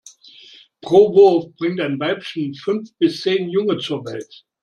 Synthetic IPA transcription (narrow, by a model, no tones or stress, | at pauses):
pʁ̥oːvʊɐfb̥ʁɪŋtaɪnvaɪpʃn̩fʏnfb̥ɪst͡seːnjʊŋət͡suːɐvɛlt